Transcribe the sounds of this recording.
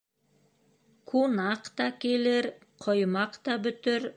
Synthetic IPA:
kʰunɑqt̪ɑkʲeleɾ | qʰojmɑqt̪ɑbɵ̆t̪ɪɾ

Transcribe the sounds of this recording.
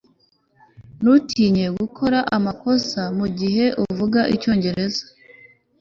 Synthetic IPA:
nutʰiːɲe̞ɡukʰoɾaʔamako̞samuɟiɦe̞ʔuvuɡaʔico̞ːɲɟe̞ɾe̞zḁ

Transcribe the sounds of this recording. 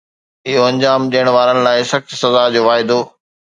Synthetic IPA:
ɪɦoɐ̃ɲd͡ʑaːmɗiəɽ̃ʋaːɾənɪ̆laːɪsɐxt͡ɕsɐzaːd͡ʑoːʋaːɪd̪o

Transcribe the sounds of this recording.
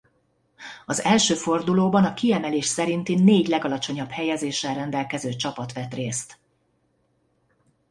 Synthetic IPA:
ɒzɛlʃøːfo̞rd̪uloːbɒnɒkiɛmɛleːʃsɛɾint̪ineːɟlɛɡɒlɒt͡ʃo̞ɲɒphɛjɛzeːʃːɛlrɛnd̪ɛlkɛzøːt͡ʃɒpɒt̪ʋɛt̪reːst̪

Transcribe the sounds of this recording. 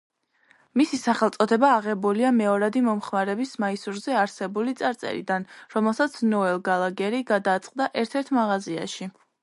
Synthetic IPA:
misisaχɛlˠt̪sʼɔt̪ʰɛbaːʁɛbuliamɛɔɾad̪imɔmχmaɾɛbismaisuɾzɛaɾsɛbulit̪sʼaɾt̪sʼɛ̰ɾḭd̪anɾɔmɛlˠsat̪sʰnɔɛlˠɡalˠaɡɛɾiɡad̪aːt̪sʼqʼd̪aʔɛɾt̪ʰɛɾt̪ʰmaʁazia̰ʃi

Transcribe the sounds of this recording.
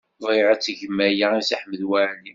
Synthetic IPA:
ðˤiʕæt͡sːʝəmːæjaisaħməðwaʕni

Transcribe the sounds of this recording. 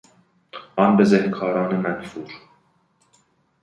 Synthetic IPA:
ʔɒnbezehkʰɒːɾɒːnemænfuːɾ

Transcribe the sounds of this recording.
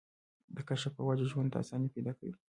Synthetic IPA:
d̪əkaʃapəwad͡ʒaʒwand̪a̰sɑniped̪ɑkawi

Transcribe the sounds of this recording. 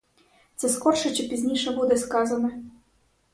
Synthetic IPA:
t̪sɛskɔrʂɐt͡ɕʲɐpʲizʲnʲiʂɐbud̪ɛskazɐnɐ

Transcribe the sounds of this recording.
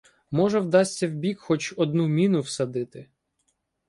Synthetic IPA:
mɔʒɛwd̪ɑsʲtʲːɐwbʲikxɔt͡ʃɔd̪numʲinʊwsɐd̪ɪt̪ɪ

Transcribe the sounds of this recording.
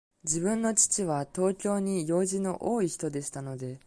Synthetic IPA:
d͡ʑiβɯ̟̃nːo̞t͡ɕi̥t͡ɕiβ̞at̪o̞ːkʲo̞ːɲ̟ijo̞ːʑino̞ʔoːiçi̥t̪o̞d̪e̞ɕi̥t̪ano̞d̪e̞

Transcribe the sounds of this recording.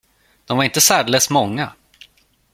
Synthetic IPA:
d̪̥ɔmvaɾɪnt̪əsæːɖ̪lɛsmɔŋːa

